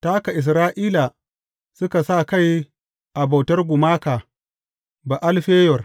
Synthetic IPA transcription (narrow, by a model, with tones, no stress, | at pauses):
taː˦ka˨ʔɪ˨s̬ɾaː˦ʔiː˦la˨ | sʊ˦ka˨sa˦˨ka˦˨j | ʔa˨ba˨wtɐ˦rɡʷʊ˨maː˦kaː˨ | ba˨ʔa˦lɸeː˦jɔ˨r